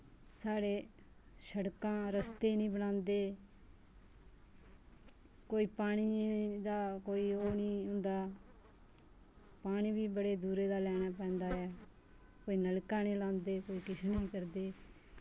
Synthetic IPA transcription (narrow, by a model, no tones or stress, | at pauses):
saːɽeː | səɽkãːɾəst̪eːnĩːbəɽãːnd̪eː | koːiːpaːɽ̃iːd̪aːkoːiːoːnĩːɦʊ̃nd̪aː | paːɽ̃ĩːbiːbəɽeːd̪uːɾeːd̪aːlɛːɽ̃aːpɛ̃ːnd̪aːɛː | koːiːnəlkãːnĩːlãːnd̪eːkoːiːkɪʃʰnĩːkəɾd̪eː